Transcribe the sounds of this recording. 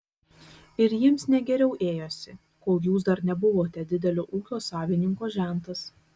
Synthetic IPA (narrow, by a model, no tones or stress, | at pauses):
ɪɾjiɛmsnʲɛɡʲɛɾʲɛʊʔeːjoːsʲɪ | koːlˠjuːs̬d̪ɐɾnʲɛbʊʋoːt̪ʲɛd̪ʲɪd̪ʲɛlʲoːʔuːkʲoːsɑːʋʲɪnʲɪŋkoːʒʲæˑnt̪ɐs